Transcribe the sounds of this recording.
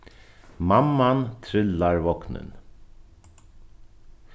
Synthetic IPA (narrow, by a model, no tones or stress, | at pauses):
mamːant̪ʰɾɪlːaɹvɔknɪ̰n